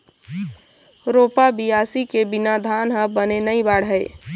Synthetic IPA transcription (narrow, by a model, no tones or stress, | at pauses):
ɾopabijasikebinad̪ʱanɦəbənenəjbaɽ̤ɦəɪ